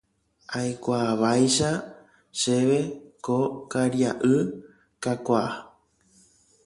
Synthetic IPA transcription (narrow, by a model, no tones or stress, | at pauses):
ajkʷaʋajʃa | ʃe̞ʋe̞kokaɾjaʔɨ | kakʷaa